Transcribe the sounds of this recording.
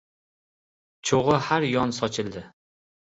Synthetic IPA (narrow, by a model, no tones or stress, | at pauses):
t͡ʃʰoʁɨhaɾjɒnsɒt͡ʃʰɪld̪ɪ